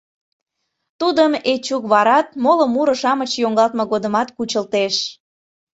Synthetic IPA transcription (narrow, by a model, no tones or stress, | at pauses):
t̪ud̪əmet͡ɕukβɑɾɑt̪̚moləmuɾəʃɑmət͡ɕjoŋɡɑlt̪moɣod̪əmɑt̪kut͡ɕəlt̪eʃ